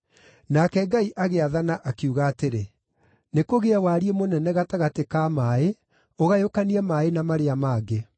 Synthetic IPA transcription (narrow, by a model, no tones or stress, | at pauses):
nakɛɡaiʔaɣeaðanaʔakiuɣaːteɾe | nekoɣeawaɾiemonɛnɛɣataɣatekaːmae | oɣajokaniɛmaenamaɾeamaːɡe